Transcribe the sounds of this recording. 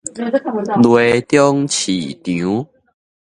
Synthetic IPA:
lwe˨˧t̪jɔ˦ŋt͡ɕʰḭ˨˩t̪jũ˨˦

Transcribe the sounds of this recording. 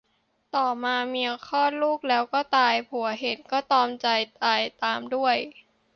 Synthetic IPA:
t̪ɔː˨˩maː˧miː˧ʔa˧kʰɔː˥˩nluː˥˩k̚lɛː˦˥wkɔː˥˩t̪aː˧jpʰu˨˩˦ɐɦe˨˦nkɔː˥˩t̪ɔː˧mt͡ɕa˧jt̪aː˧jt̪aː˧mdu˥˩əj

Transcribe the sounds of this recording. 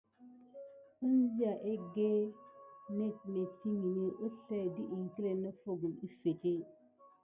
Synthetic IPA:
u˦n˦zi˦a˨ʔe˦ɡe˦ | ne˦˨t̚ne˨ti˦ŋi˨ne˦ʔo˦ɬa˦˨di˦ʔi˨ŋ˨ki˦le˨ne˦fo˦ɡu˨li˦fe˨te˦

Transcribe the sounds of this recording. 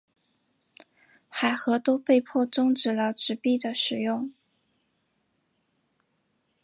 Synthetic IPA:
xa˨˩ɪxɤ˧˥t̪o˥ʊpe˥˧ɪpʰwɔ˥˧t͡sʊ˥ŋʈ͡ʂɻ̩˨˩lə˧ʈ͡ʂɻ̩˧˥pi˥˩d̪ə˩ʂɻ̩˨˩jʊ˥˩ŋ

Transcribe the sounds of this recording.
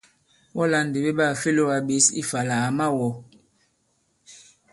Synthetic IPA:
wɔ˦la˨n˨de˨be˦ɓa˦˨fe˦lo˦a˨be˨˦sḭ˦fa˨la˨a˨ma˦˨wɔ˨

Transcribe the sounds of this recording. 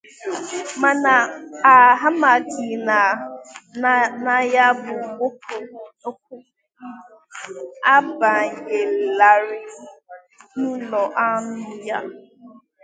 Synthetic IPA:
ma˨na˨a˨ɦa˦ma˨ɡi˨na˨ | na˨ja˦bʊ˨ɡo˦kʰo˨o˦k̚ʷʊ˦ | a˦ba˨je˨la˨ɾɪ˨ | n̩˦lɔ˨ʔa˦mʊ˦ja˦

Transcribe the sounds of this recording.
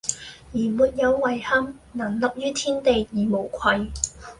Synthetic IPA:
jiː˨˩muː˨t̚jɐ˨˧wːɐ˨˩jhɐ˥mnaː˨˩nlɐ˨p̚jyː˥t̪ʰiː˥nt̪e˨jjiː˨˩mo˨˩wkʷʰɐ˧j

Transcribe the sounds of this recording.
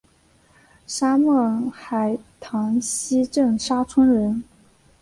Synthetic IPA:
ʂa˥mɤ˥˩xa˨˩ɪt̪ʰɑ˧˥ŋɕi˥ʈ͡ʂə˥˩ŋʂa˥t͡sʰə˥ŋɻə˧˥n

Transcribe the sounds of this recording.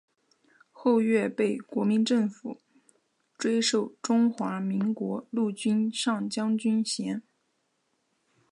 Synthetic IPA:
xo˥˧ʊɥɛ˥˧pe˥˩ɪkwɔ˧˥mi˧˥nʈ͡ʂɤ˥˩ŋfṵ˨˩˦ | ʈ͡ʂwe˥ɪʂo˥˩ʊʈ͡ʂʊ˥ŋxwa˧˥mi˧˥ŋkwɔ˧˥lu˥˩t͡ɕy˥nʂɑ˥˩ŋt͡ɕjɑ˥ŋt͡ɕy˥nɕjɛ˧˥n

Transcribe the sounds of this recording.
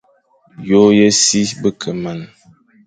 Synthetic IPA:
jo˦jə˦si˦bə˦kʰə˨ma˨n

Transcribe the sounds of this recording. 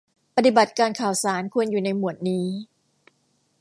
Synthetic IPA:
pa˧˩t̪i˨˩ba˨˩t̪̚kaː˧nkʰaː˨˩wsaː˩˦nkʰu˧ənjuː˨˩na˧jmu˨˩ət̪̚niː˦˥

